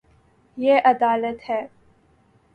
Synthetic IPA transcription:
jeːʔɐd̪aːlət̪hɛː

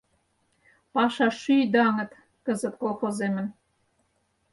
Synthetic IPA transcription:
pɑʃɑʃyjd̪ɑŋə̆t̪ | kə̆zə̆t̪kolˠxozemə̆n

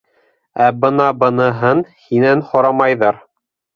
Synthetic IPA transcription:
æbɤnɑbɤ̆nɤ̆ɦɤnhinænhŏɾɑmɑjðɑɾ

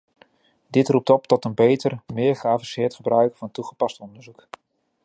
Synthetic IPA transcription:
dɪtrup̚tɔp̚tɔtənbejtərmɪːɹχəaːvɑnsɪːɹtχəbrœɥkfɑntuχəpɑstɔndəɹzuk

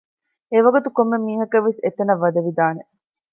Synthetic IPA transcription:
eʋɐɡut̪ukomːemiːɦɐkɐʋːeset̪ɐnɐʋːɐd̪ɐʋid̪aːne

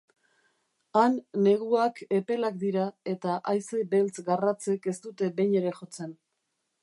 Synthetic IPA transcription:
anːe̞ɣ̞uake̞pe̞lak̚d̪iɾae̞t̪aʔajsebe̞lt͡sɡarat͡se̞ke̞st̪ut̪e̞be̞jɲe̞ɾe̞ʝo̞t͡se̞n

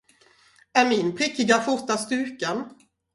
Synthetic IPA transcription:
æɾmɪnpʰɾɪkːɪɡafʊt̪ast̪ʉ̟ːkən

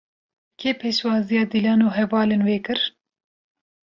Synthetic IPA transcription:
kʰeːpʰeːʃwɑːzijɑːd̪ilɑːnoːɦɛvɑːlenweːkɨɾ

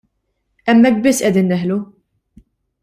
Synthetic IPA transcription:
ɛmːɛk̚ːbɪsːʔɛd̪iːnːɛħlu

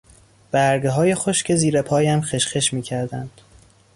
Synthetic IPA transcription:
b̥æɾɡeɦɒːje̞xo̞ʃcʰe̞ziːɾepʰɒːjæmxeʃxeʃmiːcʰæɾd̪ænd̪̥

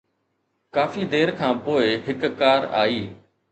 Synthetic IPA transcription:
kaːfiːd̪eːɾkʰãːpoːɪɦɪkkaːɾa̰ːiː

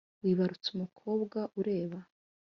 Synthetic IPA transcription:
wiːβaɾut͡sumukʰo̞ːbɡaʔuɾe̞ːβa

